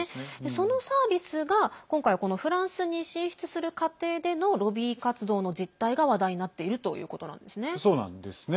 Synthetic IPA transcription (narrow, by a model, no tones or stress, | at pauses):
so̞no̞saːbʲisɨɡakõ̞ŋkaiko̞no̞ɸɯ̟ɾãɰ̃sɨɲ̟iɕĩɰ̃ɕi̥t͡sɨ̥sɨɾɯ̟kat̪e̞ːd̪e̞no̞ɾo̞bʲiːkat͡sɨd̪o̞ːno̞d͡ʑit̪ːaiɡaβad̪aiɲ̟inat̪ːe̞iɾɯ̟t̪o̞̰jɯ̟̰ːko̞t̪o̞nã̰nd̪e̞sɨne̞soːnã̰nd̪esɨn